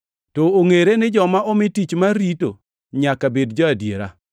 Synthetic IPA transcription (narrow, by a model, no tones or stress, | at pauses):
tɔoŋeɾenɪd͡ʒɔmaɔmɪtit͡ʃmaɾito̰ | ɲakabedd͡ʒɔadjeɾa̰